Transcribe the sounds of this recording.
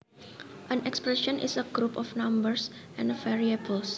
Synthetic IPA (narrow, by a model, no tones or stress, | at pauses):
ʔə̃nɛkspɹɛʃɔ̃nʔḭsəɡɾupɔfnãmbəɹsʔɛ̃nfɛɹiebəls